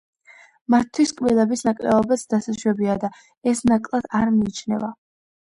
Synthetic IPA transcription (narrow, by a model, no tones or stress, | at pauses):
mat̪ʰːwiskʼvilˠɛbisnakʼlɛ̰ɔbasd̪asaʃwɛbiad̪a | ɛsnakʼlˠad̪̥aɾmiːt͡ʃʰnɛ̰va